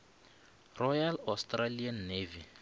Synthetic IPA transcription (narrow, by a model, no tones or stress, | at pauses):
rɔjalastʼralianːeːvi